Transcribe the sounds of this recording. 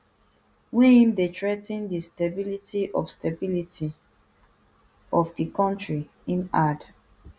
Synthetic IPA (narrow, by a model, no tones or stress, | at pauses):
wɛ̃hĩmdetɹɛtĩndistabilitʰiʔɔfstabilitʰi | ɔfdikɔ̃ntɹi | ĩnad